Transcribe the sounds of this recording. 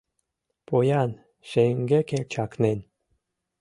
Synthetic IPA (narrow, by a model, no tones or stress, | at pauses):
pojɑn | ʃeŋɡekelʲt͡ɕɑknen